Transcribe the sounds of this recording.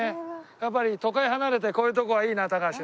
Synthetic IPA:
ejap̬ːaɾʲit̪o̞kaeɦanaɾe̞t̪̬e̞ko̞ːjɯ̟ːt̪o̞ko̞βaiːnat̪akaɕi

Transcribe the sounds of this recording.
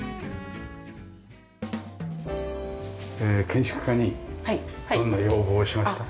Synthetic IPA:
ekʰẽ̞ɰ̃ɕkɯ̟̥kaɲ̟i̥ | õnːajo̞ːbo̞ːɕimaɕi̥t̪a

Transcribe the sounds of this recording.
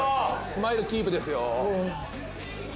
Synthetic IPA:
sɨmaiɾɯ̟kʲiːpɯ̟d̪esɨjo

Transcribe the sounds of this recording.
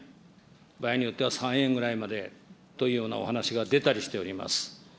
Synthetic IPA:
baiɲ̟ijo̞t̪ːe̞βasãɰ̃ẽ̞ŋɡɯ̟ɾaimad̪e̞t̪o̞iːjo̞ːna̰o̞̰hanaɕiɡad̪e̞t̪aɾʲiɕi̥t̪e̞o̞ɾʲima̰sɨ̥

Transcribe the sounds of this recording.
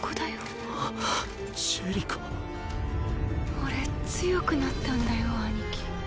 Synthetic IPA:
kod̪ajo | ɕɨɾʲikʰo̥ | oɾe̞t͡sɨjo̞kɯ̟nat̪ːãnd̪ajoanikʲi̥

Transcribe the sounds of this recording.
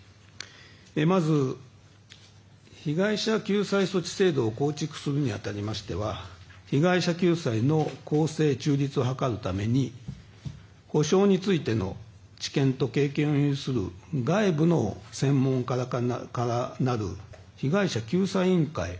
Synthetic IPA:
emazɨ | çiɡaiɕakʲɨːsaiso̞t͡ɕi̥se̞ːd̪o̞ːko̞ːt͡ɕikɯ̟̥sɨɾɯ̟ɲ̟iat̪aɾʲimaɕi̥t̪e̞βaçiɡaiɕakʲɨːsaino̞ko̞ːse̞ːt͡ɕɨːɾʲit͡sɨoɦakaɾɯ̟t̪ame̞ɲ̟i | ho̞ɕo̞ːɲ̟it͡sɨit̪e̞no̞̰ | t͡ɕi̥kẽ̞nt̪o̞ke̞ːkẽ̞ɰ̃õjːsɨɾɯ̰ɡaibɯ̟no̞̰sẽ̞mːõ̞ŋkakaɾanaɾɯ̟̰ | çiɡaiɕakʲɨːsaiĩŋka̰i

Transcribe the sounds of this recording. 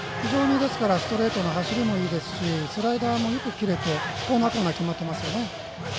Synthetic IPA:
çiʑo̞ːɲ̟id̪e̞sɨ̥kaɾasɨ̥t̪o̞ɾe̞ːt̪o̞noɦaɕiɾʲimo̞iːd̪e̞sɨ̥ɕisɨɾaid̪aːmo̞jo̞kɯ̟kʲiɾe̞t̪e̞koːnakoːnakʲimat̪ːe̞masɨjo̞ne̞

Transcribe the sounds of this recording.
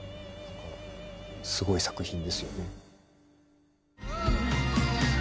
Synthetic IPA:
sɨɡo̞isḁkɯ̟çĩnd̪e̞sɨjo̞ne̞

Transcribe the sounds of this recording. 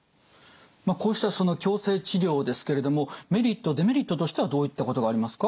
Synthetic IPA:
mako̞ːɕi̥t̪aso̞no̞kʲo̞ːse̞ːt͡ɕiɾʲo̞ːd̪e̞sɨ̥ke̞ɾe̞d̪o̞mo̞me̞ɾʲit̪ːo̞d̪e̞me̞ɾʲit̪ːo̞t̪o̞ɕi̥e̞βad̪o̞ːit̪ːako̞t̪o̞ɡaːɾʲimasɨ̥ka

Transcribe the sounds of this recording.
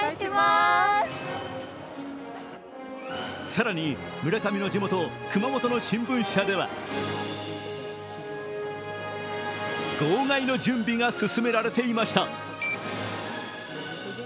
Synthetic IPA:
saɾaɲ̟i | mɯ̟ɾakamʲino̞d͡ʑimo̞t̪o̞ | kɯmamo̞t̪o̞no̞ɕĩmbɯ̟̃ɰ̃ɕad̪e̞βa̰ | ɡ̥oːŋaino̞d͡ʑɨ̃mbʲiŋasɨsɨme̞ɾaɾe̞t̪e̞imaɕi̥t̪a

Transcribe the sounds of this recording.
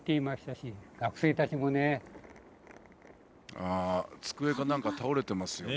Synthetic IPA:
t̪ːeimaɕi̥t̪aɕiɡ̥akɯ̟̥se̞ːt̪at͡ɕimo̞ne | aːt͡sɨ̥kɯ̟e̞ɡanãŋkat̪aoɾe̞t̪e̞masɨjo

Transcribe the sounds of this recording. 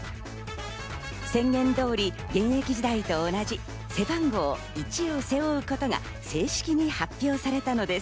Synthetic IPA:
sẽ̞ŋɡẽ̞nd̪o̞ːɾʲi | ɡẽ̞ɰ̃je̞kʲiʑid̪ait̪o̞ːnad͡ʑi | se̞bãŋɡo̞ː | it͡ɕio̞se̞oɯ̟ko̞t̪o̞ɡa̰ | se̞ːɕi̥kʲiɲ̟ihapʲːjo̞ːsaɾe̞t̪ano̞d̪e̞s

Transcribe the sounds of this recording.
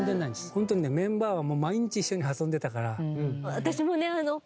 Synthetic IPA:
nzenːaĩnd̪esɨ̥hont̪oɲine̞mẽ̞mbaːβamo̞ːmaiɲ̟it͡ɕiiɕːo̞ɲ̟iasõ̞nd̪e̞t̪akaɾaɯ̟̃at̪aɕimo̞ne̞ano̞

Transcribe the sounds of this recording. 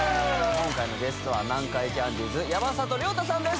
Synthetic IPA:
kõŋkainibe̞sɨ̥t̪o̞βanãŋkaikʲãnd̪ʲiːzɨjabasat̪oɾʲiot̪asãnd̪es

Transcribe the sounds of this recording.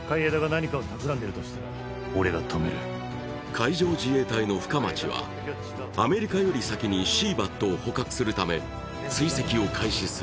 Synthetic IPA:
kaied̪aɡanaɲ̟ikaot̪akɯ̟ɾãnd̪eɾɯ̟t̪oɕi̥t̪aɾa | oɾe̞ɡat̪ʰomḛɾɯ̰ | kʰaiʑo̞ːd͡ʑie̞ːt̪aino̞ɸɯ̟̥kamat͡ɕiβa̰ | ame̞ɾʲikajo̞ɾʲisakʲiɲ̟iɕiːbat̪ːo̞ːho̞kakɯ̟̥sɨɾɯ̟t̪ame̞ | t͡sɨise̞kʲio̞kʰaiɕisɨ

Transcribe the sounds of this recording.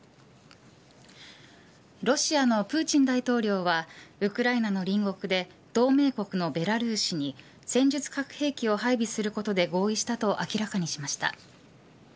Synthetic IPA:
ɾo̞ɕiano̞pɯ̟ːt͡ɕĩnd̪ait̪o̞ːɾʲo̞ːβaɯ̟kɯ̟ɾainano̞ɾʲĩŋɡo̞kɯ̟d̪e̞ | d̪̥o̞ːme̞ːko̞kɯ̟no̞be̞ɾaɾɯ̟ːɕiɲ̟i | sẽ̞ɲ̟d͡ʑɨt͡sɨ̥kakɯ̟̥he̞ːkʲio̞ɦaibʲisɨɾɯ̟ko̞t̪o̞d̪e̞ɡo̞ːiɕi̥t̪at̪o̞ʔakʲiɾakaɲ̟iɕimaɕi̥t̪a̰

